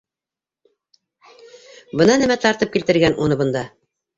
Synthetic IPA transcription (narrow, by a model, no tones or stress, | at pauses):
bɤ̆nɑnæmæt̪ɑɾt̪ɤp̚kilt̪ɘ̆ɾɡænʔunɤbɤ̆nd̪ɑ